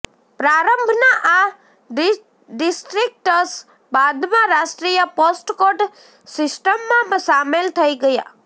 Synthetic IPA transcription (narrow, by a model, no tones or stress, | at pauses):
pɾaɾəmbʱnaʔa | ɖ | ɖɪsʈɾik̚ʈəs | bad̪mãɾasʈɾijəposʈkoʈ | sɪsʈəmːãsamelt̪ʰəiɡəja̰